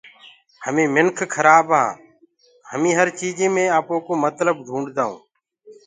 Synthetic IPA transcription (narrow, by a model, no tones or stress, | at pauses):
həmẽːmɪnkʰkʰəɾaːbɦã̰ː | həmĩːɦəɾt͡ʃiːd͡ʒẽːmẽːaːpoːkoːmət̪ləb̚ɡʱũːɳɖd̪aːṵ̃ː